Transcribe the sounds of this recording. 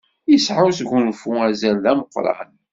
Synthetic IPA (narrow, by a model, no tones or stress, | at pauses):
əsħawsʝunfuæzælðæməqːɾˤɑ̰n